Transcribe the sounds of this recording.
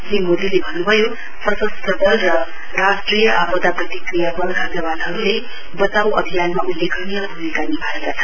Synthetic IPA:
limod̪ilebʱʌnːubʱʌjo | prʌsəst̪ʌdʱʌlrʌ | rasʈrijʌʔapɔt̪aprʌt̪ikrijabʌlɡʰʱad͡zʌbanɦʌɾule | bʌt̪awʌbʱijanmaʔulːekʰʌnijʌbʱumikanibʱaɾekat͡sʰʌ

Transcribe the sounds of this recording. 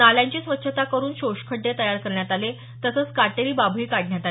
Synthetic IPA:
aljaɲt͡ɕiːsʋətːɕʰət̪akəɾuːnɕoɕkʰəɖːet̪əjaɾkəɾɳjat̪ale | t̪əsəːt͡skaʈeɾiːbabʱɦiːkaɽɳjat̪a

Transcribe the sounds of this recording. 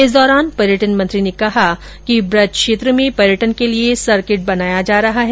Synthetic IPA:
ɪsd̪ɔːɾaːnpɐɾjəʈənmɐ̃nt̪ɾinekɐɦa | kibɾɐd̪̚kʃeːt̪ɾəmẽpɐɾjəʈənkeliesɐɾkɪʈ̚bɐnaːjad͡ʒaːɾɐɦaɦɛː

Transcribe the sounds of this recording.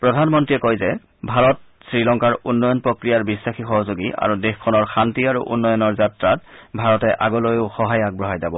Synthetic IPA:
pɹɔdʱanmɔntɹiɛkojzɛ | bʱaɹɔt̚ | sɹilɔŋkaɹunːɔjɔnpɹokɹijaɹbisːaxixɔɦozoɡiʔa̰ɹudexkʰɔnɔɹxantiaɹṵʔṵnːɔjɔnɔɹzatɹatbʱaɹɔtɛʔaɡɔlojʊxɔɦajak̚bɹɔɦajzabɔ

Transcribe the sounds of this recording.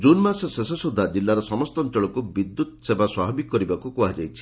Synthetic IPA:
d͡ʒunmassesɔsud̪ʱːad͡ʒilːaɾɔsɔmɔst̪ɔntɔɭɔkubid̪ːut̪ɔsebaswabɔbikkkːɔɾibakukuad͡ʒajt͡ʃʰi̥

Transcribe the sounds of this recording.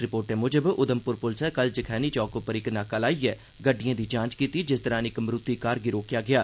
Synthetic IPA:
ɾɪpoːɾʈɛ̃ːmʊd͡ʒəbʊd̪əmpʊɾpʊlsɛːkəld͡ʒəkʰɛːniːt͡ʃɔːkoːpəɾɪknaːkəlaːiːɛː | ɡəɖɪjãːd̪iːd͡ʒãːt͡ʃkiːt̪iːd͡ʒɪst̪əɾãːnɪkmɾʊt̪ːiːkaːɾɡɪɾoːkjaːɡɪaː

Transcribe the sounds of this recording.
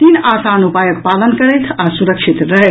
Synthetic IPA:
t̪inasanupajək̚palənkəɾɛt̪ʰasuɾəkʃʰit̪ɾəɦɛt̪

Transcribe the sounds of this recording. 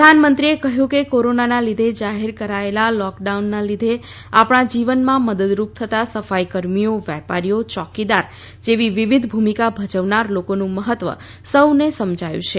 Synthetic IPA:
pəanmənt̪ɾiekəɦjũkekoɾonanalid̪ʱed͡ʒaɦeɾkəɾaelalɔkɖaunːalid̪ʱe | apɽ̃ãd͡ʒiʋənmãməd̪əd̪ɾup̚t̪ʰət̪asəfajkəɾmijoʋjɛpaɾijot͡ʃɔkid̪aɾ | d͡ʒeʋiʋiʋid̪ʱbʱumikabʱəd͡ʒəʋnaɾlokonũməɦət̪ʋə̰ | səwnesəmd͡ʒʱajṵ̃t͡ʃʰe

